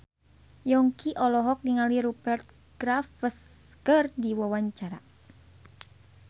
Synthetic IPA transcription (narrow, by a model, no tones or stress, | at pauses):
jɔŋkiʔɔlɔɦɔk̚niŋaliɾubɛrt̪̚ | ɡ̥ɾafəskərdiwawaɲt͡ʃaɾa̰